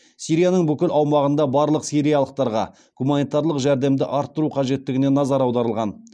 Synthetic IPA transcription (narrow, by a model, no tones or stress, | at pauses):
sijɾijanəɴbʏkʲɪlʔɑwmɑʁənd̪ɑbɑɾlˠəqsiɾijɑlˠəq̚t̪ɑɾʁɑ̰ | ɡ̥umanijt̪ɑɾlˠəqʒæɾd̪e̞md̪ɪ̰ʔɑɾt̪ːəɾuqʰɑʒe̞t̪ːɪɡʲɪnenɑzɑɾɑwd̪ɑɾəlˠʁɑn